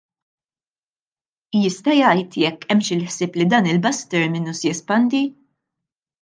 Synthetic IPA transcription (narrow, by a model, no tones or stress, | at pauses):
jɪst̪ɐjɐjt̪jɛkːɛmʃɪlħsɪːplid̪ɐːnɪlbɐst̪ɛɾmɪnusjɛspɐnd̪i